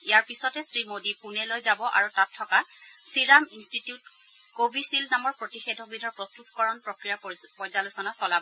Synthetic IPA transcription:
ijaɹpisɔtɛsɹimodipunɛlojzabɔʔa̰ɹutatʰːɔkasiɹaminstitiut | kobʱisilnamɔɹpɹotixedʱɔɡinɔɹpɹɔstutkɔɹɔnpɹokɹijapɔjzalusɔnasɔlabɔ

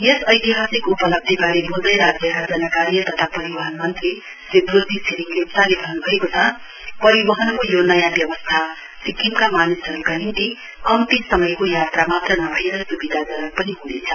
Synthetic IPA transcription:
jesʌjt̪iɦasikupʌlʌb̚d̪ʱibaɾebuld̪ʌjɾad͡zjʌkad͡zʌnʌkaɾijʌt̪ʌt̪ʰapʌɾibʌɦʌnmʌnt̪ri | sid̪ɾud̪ʱisinikepsalebʱʌnubʱʌekot͡sʰʌ | pʌɾibʌɦʌnkojonʌjabjʌbʌst̪ʰa | sikimkamanisʌɾukanint̪i | kʌmt̪isʌmʌjkojat̪ramat̪rʌnʌbʱʌjeɾʌsubid̪ʱad͡zʌɾʌk̚pʌniɦunḛt͡sʰʌ

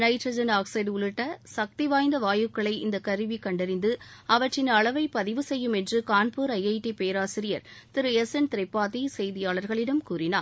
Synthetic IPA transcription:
nɐɪʈɾɐd͡ʒɐnaːksɐɪɖʊɭɯʈːɐsɐk̚t̪iʋaːjnd̪ɐʋaːjɯkːɐɭɐɪʔɪnd̪ɐkɐɾɯʋikɐɳɖɪɾɪnd̪ɯɐʋɐʈrɪnɐɭɐʋɐɪpːɐðɪʋɯsɛjːɯmɛndrɯkaːnpuːɾɐjɐɪʈːipejɐɾaːsɪɾɪjɐɾt̪ɪɾɯɛsɛnt̪ɪɾɐpːaːðisɛjðɪjaːɭɐɾɣɐɭɪɽɐmkuːɾɪnaːɾ

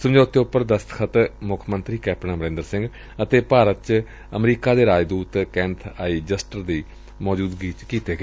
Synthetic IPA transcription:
səmd͡ʒaːʊt̪ʰːeːʊpːəɾd̪əst̪kʰət̪mʊkʰmənt̪ɾiːkɛːpnãːməɾẽːnd̪əɾsɪ̃ŋɡ | ət̪eːpaːɾət̪t͡ʃ | əmɾiːkaːd̪eːɾaːd͡ʒd̪uːt̪kɛ̃ːnt̪ʰaːiːd͡ʒəsʈəɾd̪iː | mɔːd͡ʒuːd̪ɡiːt͡ʃkiːt̪eːɡe

